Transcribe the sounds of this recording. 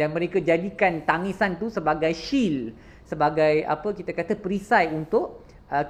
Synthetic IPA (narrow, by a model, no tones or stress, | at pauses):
danmə̃ɾekad͡ʒadikant̪aŋĩsant̪usəbaɡajʃil | səbaɡaja̰pəkit̪akat̪apɾisajunt̪ʊʔ | ə